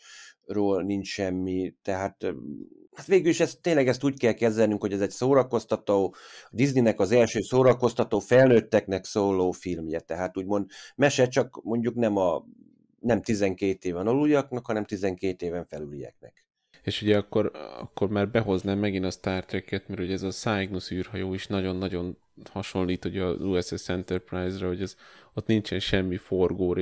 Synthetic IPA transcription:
roːlnint͡ʃʃɛmːit̪ɛɦaːt̪ | hat̪ʋeːɡyliʃɛst̪ːeːɲlɛɡɛst̪uːckɛlkɛzɛlnyŋkho̞ɟɛzɛcsoːɾɒko̞st̪ɒt̪oːɒd̪izninɛkɒzɛlʃøːsoːɾɒko̞st̪ɒt̪oːfɛlnøːt̪ːɛknɛksoːloːfilmjɛt̪ɛɦaːt̪uːɟmo̞nd̪mɛʃɛt͡ʃɒkmo̞ɲɟuknɛmɒ | nɛmt̪izɛŋkeːt̪eːvɛnolujɒknɒkhɒnɛmt̪izɛŋkeːt̪eːvɛɱfɛlylijɛ̰k̚nɛ̰k | eːʃuɟɛɒkːo̞ɾɒ̰kːo̞rmaːrbɛɦo̞znaːmɛɡinɒst̪aːrt̪ɾɛkːɛt̪mɛrhoɟɛzɒsaːjɡnusyːrɦɒjoːiʃnɒɟo̞nːɒɟo̞n | hɒʃo̞nliːt̪uɟɛɒ̰zuːɛsɛsɛnt̪ɛrpraːjzrɛɦoɟɛzot̪nint͡ʃɛnʃɛmːiforɡoːɾ

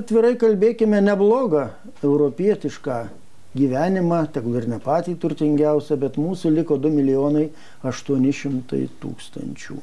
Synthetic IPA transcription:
ɐt̪ʲʋʲɪɾɐɪkɐlʲbʲeːkʲɪmʲɛnʲɛblˠoːɡɐ | ɛʊɾoːpʲiɛt̪ʲɪʃkɑː | ɡʲiːʋʲæːnʲɪmɑːt̪ʲɛɡʊɪrnʲɛpɑːt̪ʲiːt̪ʊɾʲt̪ʲɪŋʲɡʲɛʊsʲɛbʲɛt̪muːsʊlʲɪkoːd̪ʊmʲɪlʲɪjoːnɐɪ | ɐʃt̪uɔnʲɪʃʲɪmt̪ɐ̰ɪt̪ṵːkst̪ɐ̰nʲt͡ʃʲṵː

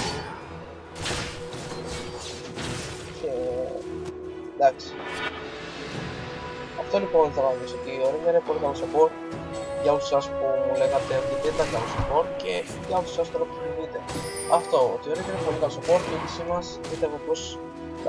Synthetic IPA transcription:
cʰe | d̪aksi̥ | ɐft̪o̞lipo̞nθɐnɐðiso̞t̪iːo̞ɾiɲɐinepo̞likɐlosopo̞ɾ | ʝɐosu̥sɐspumule̞ɣɐt̪eot̪it̪et̪ɐkɐlosopo̞ɾce | ʝɐosu̥sɐst̪oɾop̪ininit̪e̞ | ɐft̪o̞o̰t̪ioɾiɡinepo̞likɐlosopo̞ɾiiðisimɐspist̪evepos

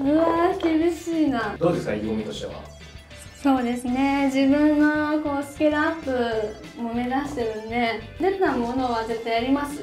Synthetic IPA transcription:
ɯ̟akʲibʲiɕiːnad̪o̞ːd̪e̞skaiɡomit̪oɕi̥t̪e̞̰βa̰ | so̞ːd̪e̞sɨne̞d͡ʑibɯ̟̃nːoko̞ːsɨ̥ke̞ɾaapːɯ̟ | mo̞me̞d̪aɕi̥t̪e̞ɾɯne̞d̪e̞t̪amo̞no̞βaze̞t̪ːaijaɾʲimasɨ

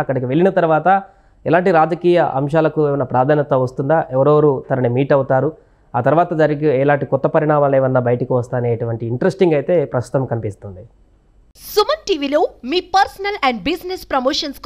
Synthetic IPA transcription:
ɐkːɐɽɐkiʋe̞ɭːinɐt̪ɐɾuʋaːt̪ɐ | ɛlaːɳʈiɾaːd͡ʒɐkiːjɐ̰ʔɐ̰mʃaːlɐkuɛːʋɐnːɐpɾaːd̪ʱaːnjɐt̪ɐʋɐst̪und̪aːʔɛʋɐɾɐːʋɐɾut̪ɐnɐnimiːʈɐwut̪aːɾu | aːt̪ɐɾuʋaːt̪ɐd͡ʒɐɾiɡiɛlaːɳʈikɔt̪ːɐpɐɾiɳaːmaːlɛːʋɐnːɐbɐjɐʈɐkiʋɐst̪aːneːɐʈuʋɐɳʈiːɳʈɐɾesʈiŋɡɐjt̪e̞ːpɾɐst̪ut̪ɐmkɐnipist̪und̪i | sumɐnʈiːʋiloːmiːpɐɾsɐnɐlɛɳɖ̚bisnespɾɐmoːʂɐnsk

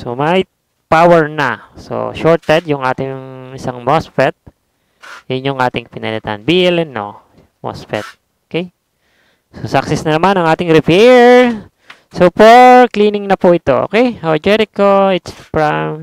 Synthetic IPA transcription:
so̰mɐj | pawɛɹnɐso̰ʃoɹt̪ɛd̪jʊŋʔaːt̪ɪŋɪsaŋmosfɛt̪̚ | jʊnjʊŋʔaːt̪ɪŋpɪnɐlɛt̪anbilɛnːo̰ | mo̰sfɛ̰t̪̚ | okɛj | sosaksɛsnɐnɐmanɐŋʔaːt̪ɪŋɾɪpɛɹ | sopoɹkliːnɪŋnɐpuʔɪt̪oʔo̰kɛjɐld͡ʒɛɾɪkːoɪt̪spɹam

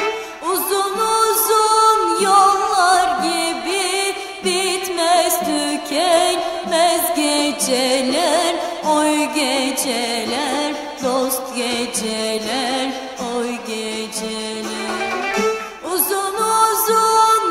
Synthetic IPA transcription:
uzunuzunjolˠlːˠaɾɟiibi | bit̪mɛst̪ʰycʰɛn | mɛzɟed͡ʒɛlʲæɾojɟed͡ʒɛlʲæɾ | d̪ost̪ɡʲed͡ʒɛlʲæɾ | ojɡʲed͡ʒɛ | lʲæɾɾ | uzunuzun

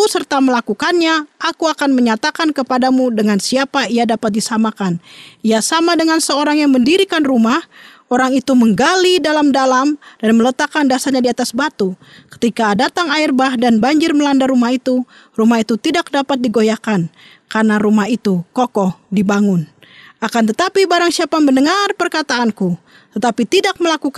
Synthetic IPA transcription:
sərt̪aməlakukanɲaakuakanməɲat̪akankəpadamudəŋansiapaiadapat̪̚disamakaniasamadəŋansəoɾaŋjaŋməndiɾikanrumah | oɾaŋit̪uməŋɡalidalamdalamdanmələt̪akːandasarɲadiat̪asbat̪u | kə̥t̪ikadat̪aŋairbahdanbaɲd͡ʒɪrməlandarumahit̪u | rumahit̪ut̪idak̚dapat̪̚diɡojakan | karnaɾumahit̪ukokɔhdibaŋʊnakant̪ət̪apibaɾaŋsiapamənəŋarpərkat̪aʔːnku | t̪ət̪apit̪idak̚məlakuk

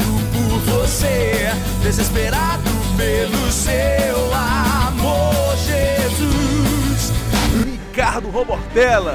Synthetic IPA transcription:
d̪ʊpʊɾvose | d̪ezespeɾad̪ʊpelʊsewamoɾʒezushikaɾd̪ʊɦoboɾt̪ɛlɐ

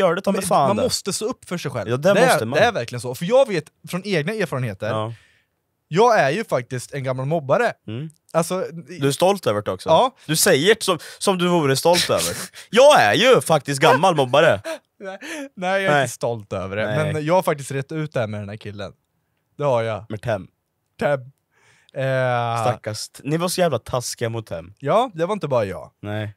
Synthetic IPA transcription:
jœːɖɛt̪ʰɑːmɛamand̪mɔst̪əst̪oːɵpːfœʂɛjɧɛ̰lːd̪ɛd̪ɛmɔəd̪ɛæɾvæɾklɪɡənsɔfœɾjɑːɡveːt̪fɾɔneːɡnaeːɾfɑːɾənheːt̪əɾ | jɑːɡæɾjɵfak̚t̪ɪst̪ɛnɡamːalmɔbːaɾə | alsɔd̪ɵæɾst̪ɔlt̪øːvəʈɔksɔɑːd̪ɵsɛjːəʈsɔmsɔmd̪ɵvuːɾəst̪ɔlt̪ø̰ːvə̰ɾjɑːɡæ̰ɾjɵfak̚t̪ɪst̪ɡamːalmɔbːaɾə | nɛnɛjɛst̪ɔlt̪ø̰ːvəɖɛmɛnjɑːɡhaɾfak̚t̪ɪst̪ɾɛt̪ːʉ̟ːt̪̚d̪ɛhæːmɛd̪ɛnæːɾkʰɪlːə̰n | d̪̥ɛhaɾjamɛt̪ʰɛmː | ʈ̪ʰɛmː | st̪akːast̪nɪvasɔjæːvlat̪ʰaskɪamʊt̪̚d̪ɛ̰mːjɑːd̪ɛvaɾɪnt̪əbɑːɾajɑ̰ːnɛɪ

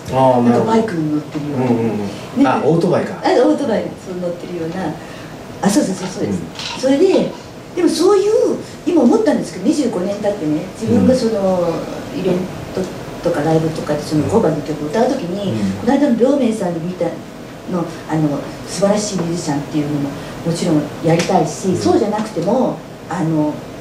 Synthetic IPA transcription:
akabaikɯ̟̃ɲ̟ino̞t̪ːe̞ɾɯ̟joːna | d̪eaot̪obaikaaoːt̪o̞baisono̞t̪ːe̞ɾɯ̟jo̞ːna | aso̞ːdesoːsoːsoːd̪esɨneso̞ɾe̞d̪e̞ | d̪̥e̞mo̞so̞ːjɯ̟ː | imaomo̞t̪ːãnd̪e̞sɨ̥ked̪o̞ɲ̟iʑɨːɡo̞nẽ̞nt̪at̪ːe̞ne̞d͡ʑibɯ̟̃ŋɡaso̞no̞iɾẽ̞nt̪o | t̪o̞kaɾaibɯ̟t̪o̞kad̪eso̞noko̞banːokʲo̞kɯoɯt̪aɯ̟t̪o̞kʲiɲ̟iko̞naid̪anoɾʲo̞ːme̞ːsãɲ̟ːimʲit̪a | no̞ | ano̞ | sɨbaɾaɕiːmʲiʑiɕãnt̪ːe̞jɯ̟ːmo̞mo̞ | mo̞t͡ɕiɾõ̞jaɾʲit̪aiɕiso̞ːʑanakɯ̟̥t̪e̞mo̞ | ano̞

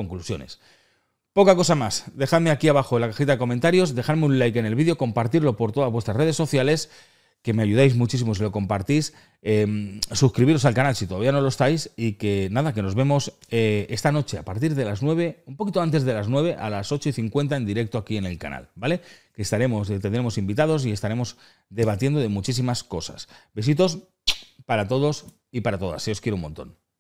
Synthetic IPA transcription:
oŋklusjo̞̰ne̞̰s | po̞kako̞samasd̪e̞xaðme̞akiaβaxoelakaxit̪aðe̞ko̞mẽnt̪aɾjo̞zde̞xaðmeunlajke̞ne̞lβiðjo̞ko̞mpaɾt̪iɾlo̞po̞ɾt̪o̞ðazβwe̞st̪ɾasre̞ð̞e̞sːo̞θjale̞s | ke̞me̞aʝuð̞ajzmut͡ʃis̬imo̞s̬ilo̞ko̞mpaɾt̪is | emsuskɾiβiɾo̞salkanalsit̪o̞ðaβiano̞lo̞est̪ajsike̞naðake̞no̞zβe̞mo̞seest̪ano̞t͡ʃe̞apaɾt̪iɾðe̞laznwe̞βe̞umpo̞kit̪oant̪e̞zðe̞laznwe̞β̞e̞ʔa̰laso̞t͡ʃo̞iθiŋkwe̞nt̪ae̞nd̪iɾe̞k̚t̪oakie̞ne̞lka̰na̰lbale̞ke̞st̪aɾe̞most̪end̪ɾe̞mo̞simbit̪að̞o̞s̬ie̞st̪aɾe̞mo̞z | d̪e̞β̞at̪je̞nd̪oðe̞mut͡ʃis̬imasko̞sa̰sbesit̪o̞s | paɾat̪o̞ðo̞s | ipaɾat̪o̞ð̞a̰seoskjeɾoumont̪o̞̰n

